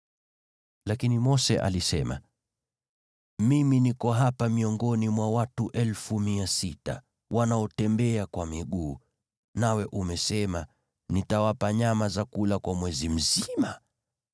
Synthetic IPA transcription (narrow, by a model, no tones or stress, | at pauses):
lakinimɔsɛ̰ʔa̰lisɛma̰ | miminikɔɦapamiɔŋɡɔnimwawatuʔɛlfumiasita̰ | wanaɔtɛmbɛakwamiɠuː | nawɛʔumɛsɛma | nitawapaɲamazakulakwamwɛzim̩zima